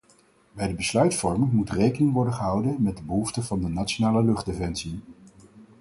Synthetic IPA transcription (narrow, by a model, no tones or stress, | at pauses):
bɛjdəbəslœɥtfɔɹməmutrejkənɪŋʋɔɹdəχəɦʌwdənmɛt̚dəbəɦuftəvɑndənat͡ʃonaːləlɵχdefɛnsi